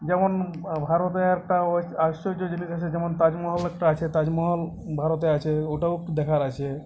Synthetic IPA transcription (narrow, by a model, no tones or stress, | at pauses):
d͡ʑɛmonbʱaɾot̪̬eɛk̚ʈaoaʃod͡ʑod͡ʑiniʃat͡ɕʰed͡ʑɛmont̪ad͡ʑmɔɦɔlɛk̚ʈaat͡ɕʰet̪ad͡ʑmɔɦɔl | bʱaɾot̪̬eat͡ɕʰeoʈaod̪ɛkʰaɾat͡ɕʰe